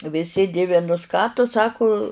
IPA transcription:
ʋʲɪˈsʲɪ ˈdʲɪʋʲɪnʊs ˈkɑː tʊ ˈsɑːkʊ

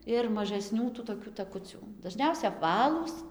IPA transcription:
ɪr mɐʒɐˈsʲnʲuː tuː toːˈkʲuː tɐˈkʊt͡sʲuː dɐˈʒʲnʲɛʊsʲɛ ɐpˈʋɑːlˠuːs

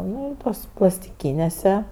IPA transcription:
ˈnʊ ɪ ˈtuɔs plˠɐsʲtʲɪˈkʲiːnʲeːsʲɛ

